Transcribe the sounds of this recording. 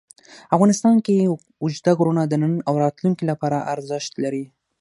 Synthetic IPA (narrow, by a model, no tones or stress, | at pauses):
afɣɑnɪst̪ɑnke | ʊd͡ʒd̪aɡɾunad̪ənənawɾɑt̪luŋkilapɑɾaʔaɾzɪʃt̪laɾi